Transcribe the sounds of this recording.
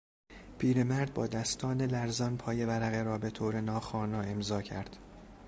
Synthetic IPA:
pʰiːɾe̞mæɾd̪̚bɒːd̪æst̪ʰɒːne̞læɾzɒːnpʰɒːje̞væɾæɣeɾɒːbe̞t̪ʰoːɾe̞nɒːxɒːnɒːe̞mzɒːcʰæɾd̪̥

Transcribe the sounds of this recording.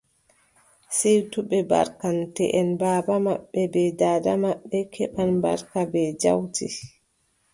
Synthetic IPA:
sɛjtuɓɛba̰ɾkantɛ̰ʔɛnbaːbamaɓːɛbɛdaːdamaɓːɛkʰɛɓanba̰ɾkabɛd͡ʒa̰wti

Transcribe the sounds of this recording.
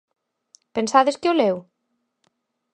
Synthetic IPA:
pensaðeskeolew

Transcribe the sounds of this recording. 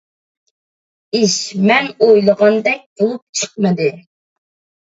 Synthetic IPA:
iʃmɛnojlˠəʁɑnd̪ɛk̚ʲb̥olˠup̚t͡ʃʰə̥q̚mɨd̪ɨ

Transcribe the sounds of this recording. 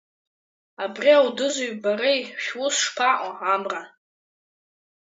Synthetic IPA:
abrʲiawdɨzuɥbaɾejʃwʊsʂpʰaʔʷʼaamra

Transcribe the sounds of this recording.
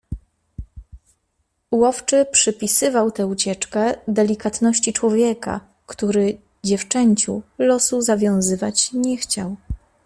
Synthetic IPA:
wɔft͡ʂɘpʂɘpʲisɘvawt̪ɛut͡ɕɛt͡ʂkɛd̪ɛlʲikat̪nɔɕt͡ɕit͡ʂwɔvʲjɛka̰ | kt̪uɾɘ | d͡ʑɛft͡ʂɛɲt͡ɕṵlɔsuzavʲjɔ̃w̃zɘvat͡ɕɲɛxt͡ɕaw

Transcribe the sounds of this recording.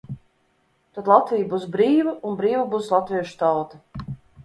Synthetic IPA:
t̪at̪lˠat̪viːjbus̬bɾiːvəunbɾiːvabuslˠat̪viɛʃu̥t̪awt̪ɐ

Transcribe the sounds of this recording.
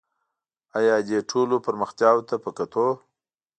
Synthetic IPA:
ajɑd̪eʈʰolopəɾməxt̪jɑwt̪apəkat̪ʰo

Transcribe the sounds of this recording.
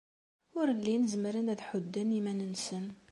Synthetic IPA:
ʊɾəlːinəzmɾənæðħʊd̪ːænimænənsən

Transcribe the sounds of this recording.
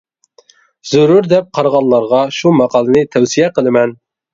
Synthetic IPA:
z̥ʊɾuɾd̪ɛp̚qʰɑɾʁɑlˠːɑɾʁɑʃumɑqʰɑlˠɨnɨt̪ʰɛwsijɛqəlˠɪmɛn

